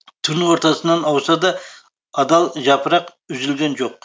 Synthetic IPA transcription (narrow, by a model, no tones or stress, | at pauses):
t̪ʰʊɾnwo̞ɾt̪ɑsənːɑnɑwsɑd̪ɑ | ɑd̪ɑlˠʒɑpəɾɑq | ʉzɪlɡʲe̞nʒo̞q̚